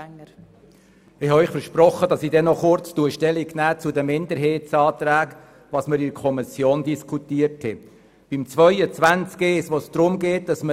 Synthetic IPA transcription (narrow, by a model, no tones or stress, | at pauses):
ɪhɑœʏχfəɾʃprɔχːədɑsidɛnːɔχʊɾt͡stuəʃtɛliɡnæːt͡sudəmɪnd̪əɾɦeːtsɑːt̪ɾæːk | ʋɑsməɾidkʰɔmisjoːndiskʰutiəɾthɛ | b̥ɪmt͡sʋœʏət͡svʋænt͡skesʋosd̥ɾʊmɡeːt̚d̥ɑsmə